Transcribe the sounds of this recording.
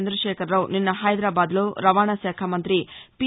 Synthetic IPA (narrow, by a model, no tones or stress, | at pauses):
nd̪ɾɐʂeːkʰɐɾːɐwninːɐɦɐjd̪ɾaːbaːd̪loːɾɐʋaːɳɐsɛːkʰamɐnt̪ɾipi